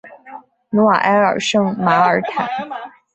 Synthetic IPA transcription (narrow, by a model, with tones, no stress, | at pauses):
nu˧˦a̰˨˩ʔɛ˧˥ə̰˨˩ʂɤ˥˩ŋma˧˥ə˨˩tʰæ̰˨˩n